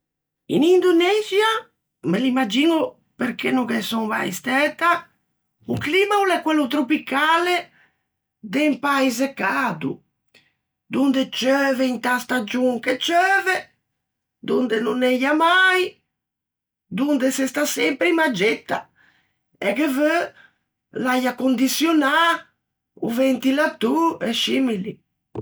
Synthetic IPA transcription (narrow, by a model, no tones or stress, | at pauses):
ḭnind̪unɛzja | melimːad͡ʒinu | peɾkenːukɛsɔŋma̰jst̪ɛːt̪a | ukliːmaulɛkːwelːut̪ɾopikaːle | d̪empajz̬ekːaːd̪ṵ | d̪und̪et͡ʃœːveint̪ast̪ad͡ʒuŋket͡ʃœːvɛ | d̪und̪ɛnunɛjamaj | d̪und̪ɛsɛst̪asɛmpɾimad͡ʒɛt̪ːa̰ | ɛkevø | lajakond̪isjɔna | ṵvɛnt̪ilat̪uɛʃimili